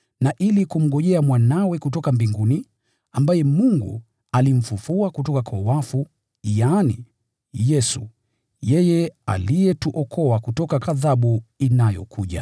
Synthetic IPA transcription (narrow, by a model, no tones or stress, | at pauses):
naʔilikum̩ɠɔʄɛamwanawɛkut̬ɔkambiŋɡuni | ambajɛmuŋɡṵ | alim̩fufuakutɔkakʰawafu | jaːnḭ | jɛsṵ | jɛjɛa̰lijɛtuʔɔkʰɔakutɔkakaðaɓuinajɔ̰kʰuʄa̰